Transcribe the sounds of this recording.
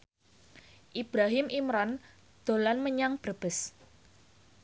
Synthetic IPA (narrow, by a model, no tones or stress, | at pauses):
ʔib̥ɾaɦɪmʔimɾan | d̪̥o̤lanməɲaŋb̥ərb̥ə̤s